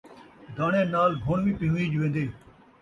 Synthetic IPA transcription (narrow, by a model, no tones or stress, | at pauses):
d̪aːɳẽːnaːlɡʱoːɳʋĩːpɪũːiːd͡ʒʋẽːnd̪eː